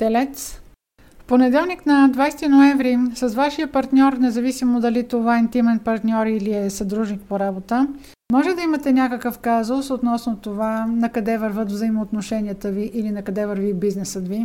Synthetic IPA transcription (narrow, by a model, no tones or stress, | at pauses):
t̪ɛlɛt̪s | fponɛd̪ɛlˠniknɐd̪vajst̪inoɛvɾisɐzvaʃijəpɐɾt̪nʲɔɾnɛzɐvisimod̪ɐlit̪ovaɛnt̪imɛnpɐɾt̪nʲɔɾiliɛsɐd̪ɾuʒnik̚poɾabot̪ə | mɔʒɛd̪ɐimɐt̪ɛnʲakəkəfkazosot̪nɔsnot̪ovanɐkɐd̪ɛvəɾvət̪vzəimoːt̪noʃɛniət̪əviʔilinɐkɐd̪ɛvəɾvibiznɛsət̪vi